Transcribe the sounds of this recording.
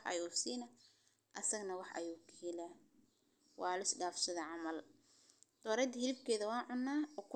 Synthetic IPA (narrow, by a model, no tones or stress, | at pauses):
ʔɐ̰juːsiːnɐ | ʔɐsɐɡnɐwɑħʔɐ̰juːkʰiːlɐ | wɑːlɐɪsɖaːfsɐðɐʕɑmɐl | d̪̥ɔːɾɛd̪ɐhɪlɪb̚kʰɛːðɐwɑːnʕʊnːaːɔːkʰʊ